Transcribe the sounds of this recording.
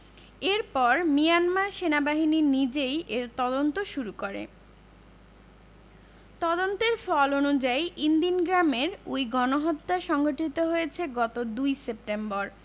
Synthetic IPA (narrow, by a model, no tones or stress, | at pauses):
eɾpɔɾmijanmaɾʃenabaɦininid͡ʑejʔeɾt̪ɔd̪ont̪oʃuɾukoɾḛ | t̪ɔd̪ont̪eɾfɔlonud͡ʑajʔind̪inɡɾameɾujɡɔnoɦot̪ːaʃɔŋɡoʈʰit̪oɦojet͡ɕʰeɡɔt̪od̪ujsep̚ʈemboɾ